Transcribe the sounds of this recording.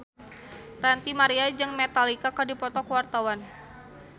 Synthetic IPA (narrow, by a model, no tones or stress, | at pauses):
rant̪imaɾiad͡ʒɨŋmet̪alikakadipɔt̪ɔkəwart̪awan